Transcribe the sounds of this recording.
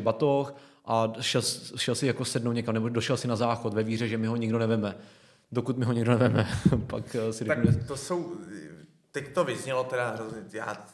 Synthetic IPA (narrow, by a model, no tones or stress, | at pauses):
bat̪oxʔaʃɛlsʃɛlsɪjakosɛdno̞wɲɛkamnɛbodoʃɛlsɪnazaːxot̪vɛviːrɛʒɛmɪɦoɲɪɡdonɛvɛmɛ | dokut̪mɪɦoɲɛɡdonɛvɛmɛpaksɪɾaɛt̪osow | t̪ɛct̪ovɪzɲɛlot̪ɛɾaɦɾozɲɛja̰ː